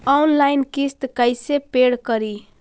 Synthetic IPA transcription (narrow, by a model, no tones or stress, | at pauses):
ɔnlajnkist̪kəjsepeɽkəɾi